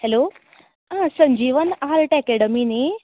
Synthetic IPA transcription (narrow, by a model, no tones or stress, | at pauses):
hɛlo | ɦãsə̃ɲd͡ʑiːʋənaɾʈɛkɛɽəmine